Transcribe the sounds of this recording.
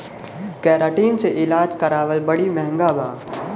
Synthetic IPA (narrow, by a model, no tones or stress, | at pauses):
kɛːɾaːʈiːnseʔɪlaːd͡ʒkɐɾaːʋəlbɐɽimɛɦɛ̃ŋɡabaː